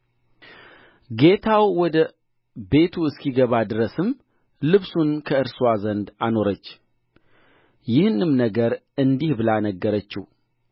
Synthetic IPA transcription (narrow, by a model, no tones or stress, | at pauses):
ɡe̞t̪ʰawwɔd̪ə | be̞t̪ʰuɨskiɡəβad̪ɨɾəsɨm | lɨβsunkʰəɨɾsuazənd̪ano̞ɾət͡ʃː | jɪhnɨmnəɡəɾɨnd̪ihbɨlanəɡːəɾət͡ʃːɪh